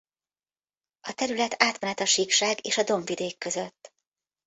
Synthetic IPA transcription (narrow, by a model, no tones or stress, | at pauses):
ɒt̪ɛɾylɛt̪ʰaːt̪mɛnɛt̪ɒʃikʃaːɡeːʃɒd̪o̞ɱvid̪eːkːø̞zøt̪ː